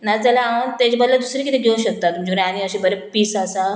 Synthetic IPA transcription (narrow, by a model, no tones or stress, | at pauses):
nad͡zalaaʋənt̪et͡ɕibəd̪lad̪usɾikit̪eɡʱeũɕək̚t̪at̪ːum̤əd͡ʑiɡɾaniəɕibəɾepiːsasa